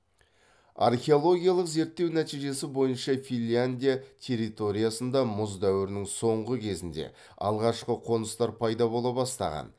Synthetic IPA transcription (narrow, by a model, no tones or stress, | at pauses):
a̰rχʲe̞o̞lˠo̞ɡʲijalˠəqze̞ɾt̪ːe̞wnæt̪ijʒe̞sɪbo̞jənʃɑfilʲand̪ʲijat̪ʲʰe̞rːit̪o̞ɾijasənd̪ɑmʊzd̪æwɪɾɪnɪŋso̞ɴʁəkʲʰe̞zɪnd̪e̞̰ | ɑ̰lˠʁɑʃqəqʰo̞nəst̪ɑɾpʰɑjd̪ɑbo̞lˠɑbɑst̪ɑ̰ʁɑ̰n